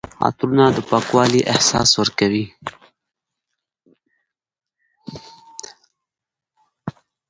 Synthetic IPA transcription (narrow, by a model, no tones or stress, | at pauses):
ɑ̰t̪ɾunad̪əpɑːkwɑliʔɪhsɑ̰swəɾkawi